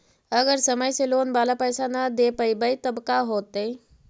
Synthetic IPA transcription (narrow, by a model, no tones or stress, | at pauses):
əɡəɾsəməjseloːnbalapəjsanad̪epəjbəjt̪əbkaɦoːt̪e